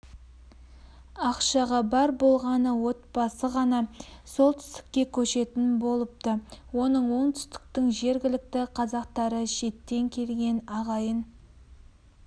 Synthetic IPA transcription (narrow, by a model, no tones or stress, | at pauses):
ɑqʃɑʁɑbɑɾbo̞lˠʁɑnəwo̞t̪̚pɑsəʁɑnɑso̞lˠt̪ʰʏ̥st̪ɪ̥kʲːe̞kʲʰɵʃe̞t̪ɪnbo̞lˠəp̚t̪əwo̞nəɴwo̞ɴt̪ʰʏ̥st̪ɪ̥k̚t̪ɪŋʒe̞ɾɡʲɪlɪk̚t̪ɪqʰɑzɑq̚t̪ɑɾəʃe̞t̪ːe̞ŋkʲʰe̞lɡʲe̞nɑʁɑjən